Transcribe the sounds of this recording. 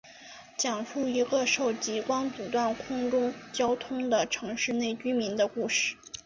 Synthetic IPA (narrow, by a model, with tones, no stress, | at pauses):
t͡ɕjɑ˨˩ŋfu˥˩i˧˥ɡə˧ʂo˥˩ʊt͡ɕi˧˥kwɑ˥ŋt͡su˨˩t̪wa˥˩nkʰʊ˥ŋʈ͡ʂʊ˥ŋt͡ɕjɑ˥ʊt̪ʰʊ˥ŋd̪ə˨ʈ͡ʂʰɤ˧˥ŋʂɻ̩˥˧ne˥˩ɪt͡ɕy˥mi˧˥nd̪ə˧ku˥˧ʂɻ̩˥˩